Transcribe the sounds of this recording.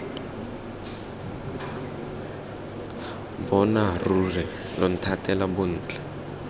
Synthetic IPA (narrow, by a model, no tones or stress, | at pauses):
bɔnarurɛ | lɔn̩tʰatʼɛlabon̩ːt͡ɬʼɛ